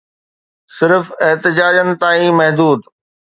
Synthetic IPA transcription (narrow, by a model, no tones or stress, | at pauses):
sɪɾfɪɦt̪ɪd͡ʑaːd͡ʑənɪ̆t̪aːĩmɐɦd̪uːd̪